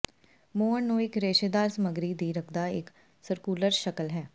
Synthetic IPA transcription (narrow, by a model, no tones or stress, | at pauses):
moːənnũːɪkɾeːʃeːd̪aːɾsəməɡɾiːd̪iːɾəkʰd̪aːɪk | səɾkuːləɾʃəkəlɦɛː